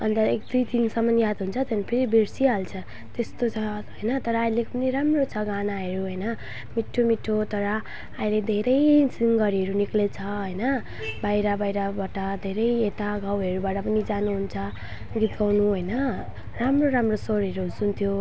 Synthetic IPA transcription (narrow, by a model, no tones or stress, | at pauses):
ʌnt̪ʌek̚d̪ujt̪insʌmʌnijad̪ɦunt͡sʰʌt̪ʌnpʰeɾibeɾsialt͡sʰʌ | t̪est̪ot͡sʰʌɦojnʌt̪ʌɾʌːjlekpʌniɾamrot͡sʰʌɡanaɦʌɾuɦʌjnʌ | miʈʰːomiʈʰːot̪ʌɾʌ | ailed̪ʱeɾʌjsiŋɡʌɾiɦʌɾuniklet͡sʰʌɦʌjnʌ | bajɾabajɾabaʈʌd̪ʱeɾʌjet̪aɡawɦʌɾubaʈʌpʌnid͡zanuɦunt͡sʰʌ | ɡit̪ɡawnuɦʌjnʌ | ramroɾamrosoɾʌɾuɦsunt̪ʰjo